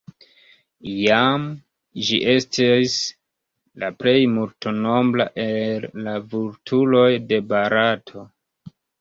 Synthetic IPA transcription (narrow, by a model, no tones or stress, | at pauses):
jam | d͡ʒḭʔe̞stis | laple̞jmulto̞no̞mbla̰ʔelːavuɾtʰulo̞jde̞baɾatʰo̞